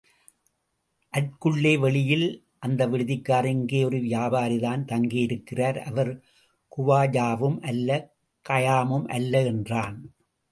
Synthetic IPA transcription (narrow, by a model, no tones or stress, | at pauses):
ʔɐð̚kɯɭːeːʋɛɭɪjɪl | ʔɐnd̪ɐʋɪɻɯðɪkːaːɾɪŋɡeːɔɾɯʋɪjaːbaːɾiðaːnt̪ɐŋɡɪjɪɾɯkːɪraːɾɐ̰ʋɐɾ | kʊʋaːd͡ʒaːʋɯmʔɐlːɐ | kɐjaːmɯmʔɐ̰lːɐɛndraːn